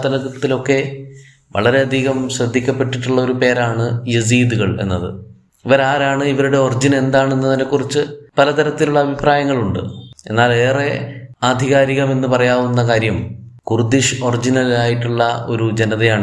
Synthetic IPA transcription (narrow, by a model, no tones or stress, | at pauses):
t̪ɐlɐɣɐt̪ːilo̞kːe̞ | ʋɐ̰ɭɐɾe̞ɐd̪ʱiɣɐmɕrɐd̪ʱːikʲːɐpːe̞ʈːiʈːuɭːɐo̞ɾupe̞ːɾaːɳɨjɐs̬iːd̪uɣɐɭe̞̰nːɐðɨ̰ | iʋɐɾaːɾaːɳɨiʋɐɾuɽe̞o̞rid͡ʑine̞nd̪aːɳenːɨt̪ɐnːekːurit͡ɕːɨpɐlɐt̪ɐɾɐt̪ːiluɭːɐbʱipraːjɐŋːɐɭuɳɖɨ̰e̞̰nːaːle̞ːre̞aːd̪ʱiɣaːɾiɣɐme̞nːɨpɐrɐjaːʋunːɐkaːɾjɐmkurd̪iʂɨo̞rid͡ʑinɐliaːjiʈːuɭːɐo̞̰ɾud͡ʑe̞nɐðɐjaːɳ